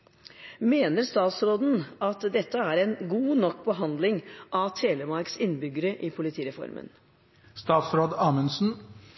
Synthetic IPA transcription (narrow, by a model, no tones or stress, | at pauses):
meːnəɾst̪ɑːt̪sɾoːd̪n̩ɑt̪d̪ɛt̪ːəæːɾɛnɡuːnɔkːbəɦɑnd̪lɪŋʔɑt̪ʰeːləmɑɾksɪnːbʏɡəɾəʔɪpʰʊlɪt̪ʰiːɾɛfɔ̰ɾmʔə̰n | st̪ɑːt̪sɾoːd̪ɑːmənsn̩